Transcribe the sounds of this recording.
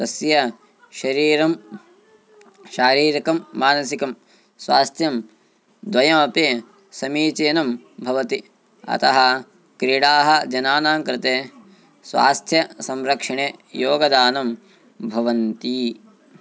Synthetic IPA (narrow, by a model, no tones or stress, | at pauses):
t̪ɐsjɐ | ʃɐɾiːɾɐm | ʃaːɾiːɾikɐmːaːnɐsikɐm | sʋaːst̪ʰjɐm | d̪ʋɐjɐmɐpeː | sɐmiːt͡ʃeːnɐm | bʱɐʋɐt̪i | ɐ̰t̪ɐɦɐ | kɾiɽaːɦɐd͡ʒɐnaːnaːŋkɾɪt̪eː | sʋa̰ːst̪ʰjɐsɐmɾɐkʂɐɳejoːɡɐd̪aːnɐm | bʱɐʋɐnt̪i